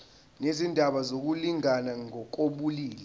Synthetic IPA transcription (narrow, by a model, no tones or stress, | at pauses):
nezindʱaɓazok̬uliŋanaŋɔk̬ʼoɓuliːlɛ